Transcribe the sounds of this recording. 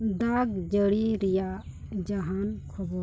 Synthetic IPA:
d̪aɡd͡ʒəɽiɾija | d͡ʒaɦankʰɔbɔ

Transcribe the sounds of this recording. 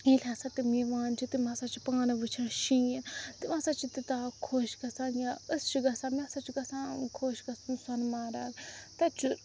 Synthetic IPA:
ĩːlʲasat̪imiʋãːnt͡ʃʰit̪imasat͡ʃʰi̥pãːnɐʋɨt͡ʃʰɐnʃĩːjint̪imãsat͡ʃʰit̪it̪aːkʰoːʃɡɐsãːnjaəst͡ʃʰiɡɐsaːmesat͡ʃʰiɡɐsãːkʰoːʃɡɐsunsɐnmaːɾaːnt̪ɐt͡ʃʰu

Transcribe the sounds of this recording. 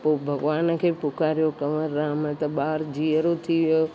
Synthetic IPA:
poːbʱɐɡʋaːnkʰeːpʊkaːɾijokɐməɾːaːmə̃t̪ɐɓaːɾd͡ʑiəɾot̪ʰiʋjo

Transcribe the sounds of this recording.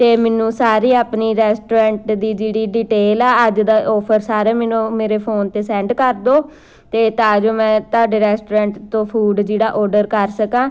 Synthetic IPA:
t̪eːmɛːnũːsaːɾiːaːpniːɾɛːsʈoːɾɛ̃ːɳʈd̪iːd͡ʒeːɽiːɖiːʈeːlaːəd͡ʒd̪aːʔɔːpʰəɾsaːɾeːmɛːnõːmeːɾeːpʰoːnt̪eːsɛ̃ːɳɖkəɾd̪oː | t̪eːt̪aːd͡ʒõːmɛ̃ːt̪aːɖeːɾɛːsʈoːɾɛ̃ːɳʈt̪õːpʰuːɖd͡ʒeːɽaːʔɔːɾɖəɾkəɾsəkãː

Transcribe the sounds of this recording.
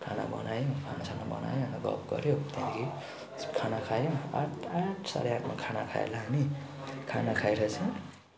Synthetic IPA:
kʰana̰bʌ̰najokʰanasʰaŋabʌ̰na̰joʌnʌɡʌ̰p̚ɡʌ̰ɾjot̪aniɡi | kʰanakʰajoa̰ʈaʈʰsa̰ɾeakmakʰanakʰa̰ḛlani | kʰanakʰajɾʌt͡sʰʌ

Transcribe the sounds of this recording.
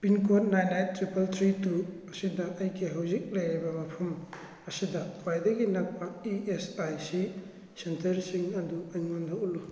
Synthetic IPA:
pinkot̚najnajtɾipɐltʰɾitu | ɐsidɐʔɐjɡiɦawzik̚lɐjɾibɐmɐpʰɐm | ɐsidɐwajdɐɡinɐk̚pɐiesajsi | sentɐɾsiŋɐduɐjŋondʰʱawlu

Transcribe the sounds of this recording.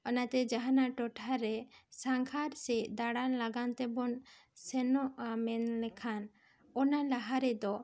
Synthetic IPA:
ɔnat̪ɛd͡ʒaɦanaʈɔʈʰaɾɛsaŋkʰaɾsɛd̪aɽanlaɡant̪ɛbɔn | sɛnɔʔamɛnlɛkʰan | ɔnalaɦaɾɛd̪ɔ

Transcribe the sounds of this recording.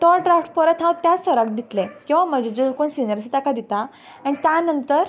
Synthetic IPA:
t̪ɔʈɾafʈpəɾət̪ʰɦãwt̪ːjasəɾək̚d̪it̪lekĩw̃ʋaməd͡ʑed͡ʑelkonsinəɾsit̪akad̪it̪a | aɽ̃it̪janənt̪əɾ

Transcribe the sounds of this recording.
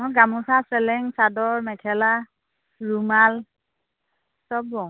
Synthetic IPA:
mʊɡamusasɛlɛŋsadɔɹmɛtʰɛla | ɹumal | sɔbɔ

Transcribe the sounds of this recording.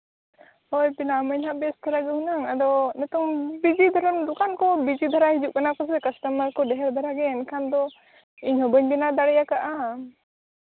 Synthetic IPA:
ɔjpinaməɲɦaʔbɛsd̪ʰʱaɾaɡɛhunaŋad̪ɔnɛt̪ɔŋbid͡ʒid̪ʱaɾɔnd̪ukankɔbid͡ʒid̪ʱaɾaɦid͡ʒuʔkanakɔsɛkəsʈəməɾkɔɖɛɦɛɾd̪ʱaɾaɡɛɛnkʰand̪ɔ | iɲhɔbəɲbinad̪aɽɛjakaʔa

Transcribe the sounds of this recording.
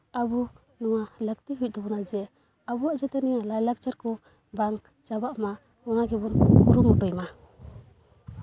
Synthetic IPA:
abu | nɔŋalək̚t̪iɦujt̚d̪ɔbɔnad͡ʒɛ | abuaʔd͡ʒɛt̪ɛnijalajlak̚d͡ʒaɾkɔ | baŋ | d͡ʒabaʔma | ɔnaɡibɔnɡuɾumɔtɔjma

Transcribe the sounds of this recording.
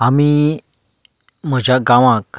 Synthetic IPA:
ami | m̤əd͡ʑʱaɡãʋãk

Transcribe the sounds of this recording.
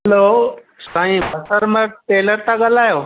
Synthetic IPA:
ɦloː | saːĩbʱəsəɾməʈeːləɾt̪aɡəlaːjoː

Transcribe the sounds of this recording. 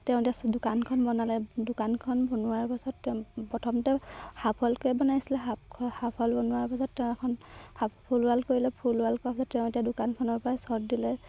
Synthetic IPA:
tɛʊ̃etiasdʊkankʰɔnbɔnalɛdʊkankʰɔnbɔnʊaɹpasɔtːɛpɹɔtʰɔmtɛhapʰɔlkojɛbɔnajsilɛɦapkʰhapʰɔlbɔnʊaɹpasɔtːɛ̃ɛkʰɔnhapʰulalkoɹilɛpʰulwalkɔapasɔttɛʊ̃etiadʊkankʰɔnɔɹpɔɹajsɔɹdilɛ

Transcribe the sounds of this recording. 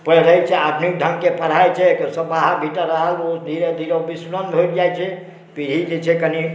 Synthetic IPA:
pəɾəɦɛt͡ʃʰɛad̪nik̚d̪ʱəŋkepʰəɾ̤ajt͡ʃʰɛk̪osəbaɦabʱiʈəɾəɦəlod̪ʱiɾed̪ʱiɾobisɾənbʱold͡ʒajt͡ʃʰɛ | piɾid͡ʒet͡ʃʰɛkəni

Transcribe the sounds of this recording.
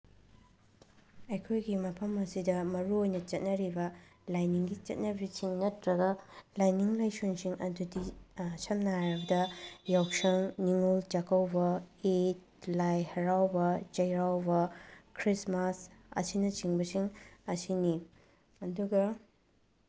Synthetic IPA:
ɐjkʰojɡimɐpʰɐmɐsidɐmɐɾuojnɐt͡ʃɐt̚nɐɾibɐlajniŋɡit͡ʃɐ̰t̚nɐbisiŋnɐtɾɐɡɐlajniŋlajsonsiŋɐ̰dudisɐmnaɾɐbɐdɐjawsɐŋniŋult͡ʃɐkʰɐwbɐet̚ | lajhɐɾawbɐt͡ʃɐjɾawbɐkʰɾismasɐ̰sinɐt͡ʃiŋbɐsiŋɐsini | ɐduɡɐ

